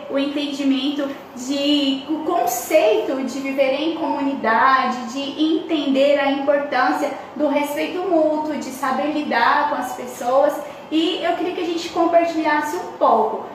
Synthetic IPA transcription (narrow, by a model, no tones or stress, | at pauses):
ʊẽnt̪ẽnd͡ʒimẽnt̪ʊ | d͡ʒɪʊkõsejt̪ʊd͡ʒɪviveɾẽj̃komũnid̪ad͡ʒɪd͡ʒɪʔẽnt̪ẽnd̪eɾɐĩmpoɾt̪ɐ̃siɐ | d̪ʊɦespejt̪ʊmuwt̪wʊd͡ʒɪsabeɾlid̪aɾkõɐspesowɐs | ɪewkɪɾiɐkɪɐʒẽnt͡ʃɪ̥kõmpaɾt͡ʃiʎasɪũpowkʊ